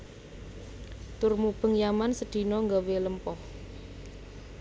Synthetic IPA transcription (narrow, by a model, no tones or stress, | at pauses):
t̪ʊrmub̥əŋjamansəd̪̥i̤nɔŋɡaweləmpɔh